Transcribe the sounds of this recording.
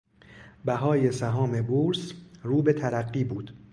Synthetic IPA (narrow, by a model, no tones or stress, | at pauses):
bæɦɒːje̞sæɦɒːme̞buːɾsruːbe̞t̪ʰæɾæɢːiːbuːd̪̥